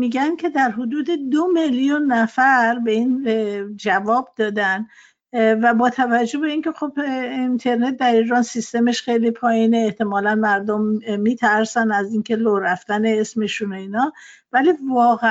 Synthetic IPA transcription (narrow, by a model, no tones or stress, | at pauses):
miːɡæncʰe̞d̪æɾɦod̪uːd̪e̞d̪o̞meljunːæfæɾbe̞ind͡ʒævɒːb̚d̪ɒːd̪æn | væbɒːt̪ʰævæd͡ʒːo̞hbe̞iːncʲʰe̞xo̞bint̪ʰe̞ɾne̞t̪̚d̪æɾiːɾɒːnsist̪e̞meʃxe̞jlipʰɒːjiːneːht̪e̞mɒːlænmæɾd̪omːiːt̪ʰæɾsænæziːncʰe̞loɾæft̪æneesme̞ʃuno̞iːnɒː | væliːvɒːɣæ